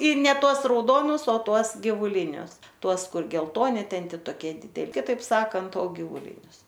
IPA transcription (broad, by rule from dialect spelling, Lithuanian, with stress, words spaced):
ɪr nʲɛ ˈtuɔs rɐʊˈdoːnʊs oː ˈtuɔs ɡʲɪʋʊˈlʲɪnʲʊs ˈtuɔs ˈkʊr ɡʲɛlˠˈtoːnʲɪ ˈtʲɛn ˈtʲɪ toːˈkʲiɛ dʲɪdʲɛ kʲɪˈtɐɪp ˈsɑːkɐnt oː ɡʲɪʋʊˈlʲɪnʲʊs